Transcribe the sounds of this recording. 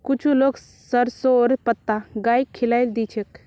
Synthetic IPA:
kʊt͡ʃʰuloːɡ | səɾsoɾpət̪ːaɡaːikʰːilajld̪it͡ʃʰek

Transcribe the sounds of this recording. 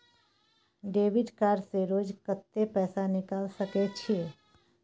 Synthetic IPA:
ɖeːʋɪɖkaːɾseɾoːd͡ʒkət̪ːepɛːsanɪkaːlsəket͡ʃʰeː

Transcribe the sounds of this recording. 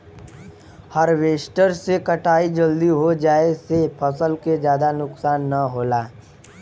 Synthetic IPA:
həɾʋeːʃʈəɾsekəʈaːid͡ʒəld̪iɦod͡ʒaːesepʰəsəlked͡ʒjaːd̪anʊksaːnːəɦoːlaː

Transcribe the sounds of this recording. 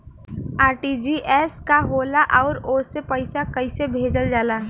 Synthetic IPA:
aːɾʈid͡ʒiːʔɛːskaɦoːlaʔɔːɾoːsepəɪsakɐɪsebʱeːd͡ʒəld͡ʒaːlaː

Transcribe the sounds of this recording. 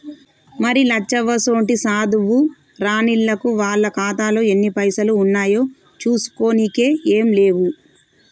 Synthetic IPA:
mɐɾilɐt͡ʃːɐʋɐso̞ːɳʈisaːd̪uʋu | ɾaːniɭːɐkuʋaːɭːɐkaːt̪aːloːe̞nːipɐjsɐluːnːaːjoː | t͡ʃuːsu̥ko̞ːnike̞ːeːmle̞ːʋu

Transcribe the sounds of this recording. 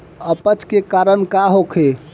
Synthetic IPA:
əpət͡ʃʰkekaɾənkaɦokʰe

